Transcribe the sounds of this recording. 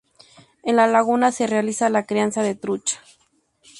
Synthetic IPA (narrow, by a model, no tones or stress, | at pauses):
enlalaɣunaserealisalakɾiansaðet̪ɾut͡ʃḁ